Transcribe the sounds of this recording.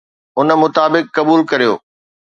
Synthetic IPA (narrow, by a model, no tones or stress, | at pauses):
ʊn̆mʊt̪aːbɪkːɐbuːlkɐɾijo̰ː